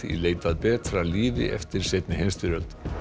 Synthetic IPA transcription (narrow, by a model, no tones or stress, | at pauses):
ḭleːjt̪aðpɛːt̪ɾaliːvɪ̰ʔɛ̰ft̪ɪɾ̥seːt̪nɪhenst̪ʏɾœlt̪